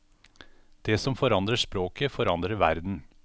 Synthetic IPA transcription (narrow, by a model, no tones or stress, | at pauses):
d̪̥eːsɔmfɔɾɑnd̪ɾəʂpɾoːkəfɔɾɑnd̪ɾəʋæ̰ɾd̪n̩